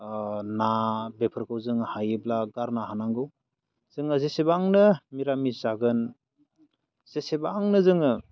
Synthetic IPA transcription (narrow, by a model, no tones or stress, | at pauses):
nabepʰɯɾkʰɯwzɯŋhajɯblaɡaɾnaɦanaŋɡɯw | z̥ɯŋɯzesebaŋnɯmiɾamizaɡɯn | z̥esebaːŋnɯzɯŋɯ